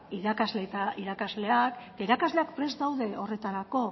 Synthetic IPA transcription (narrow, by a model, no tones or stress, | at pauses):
iðakazle̞t̪aiɾakazle̞akt̪aiɾakazle̞akpɾe̞zd̪awðe̞o̞re̞t̪aɾako̞